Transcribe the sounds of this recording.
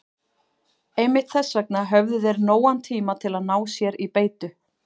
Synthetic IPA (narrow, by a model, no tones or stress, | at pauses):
ejmɪht̪θɛsːvɛk̚naɦœvðʏðɛɾnoːwant̪ʰiːmat̪ʰɪlaðnaːwsjɛɾipeːjt̪ʏ